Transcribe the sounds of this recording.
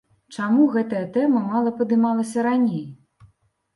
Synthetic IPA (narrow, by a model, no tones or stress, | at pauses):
t͡ʂamuɣɛt̪ɐjɐt̪ɛmɐmalˠɐpɐd̪ɨmalˠɐsʲɐɾanʲej